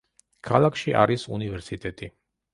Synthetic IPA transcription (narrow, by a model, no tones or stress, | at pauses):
kʰalˠakʰʃiʔa̰ɾisṵnivɛɾsit̪ʼɛt̪ʼi